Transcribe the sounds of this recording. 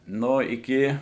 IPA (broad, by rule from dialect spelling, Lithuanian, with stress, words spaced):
ˈnoː ɪˈkʲɪ